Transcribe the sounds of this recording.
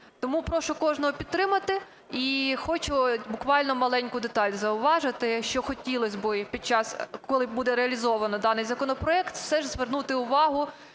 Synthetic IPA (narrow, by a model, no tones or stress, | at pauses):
t̪ɔmupɾɔʃʊkɔʒnɔɦɔpʲid̪̚t̪ɾɪmɐt̪ɪ | ixɔt͡ʃʊbʊkʋɑlʲnɔmɐlˠɛnʲkʊd̪et̪ɑlʲzɐʊʋɑʒɪt̪ɪʃt͡ʃɔxɔtʲilˠɔsʲbɪpʲid̪̚t͡ʃɑskɔlˠɪbud̪ɛɾeɐlʲizɔʋɐnɔd̪ɑnɪjzɐkɔnɔpɾɔɛkt̪wsɛʒzʋernut̪ɪʊʋɑɦʊ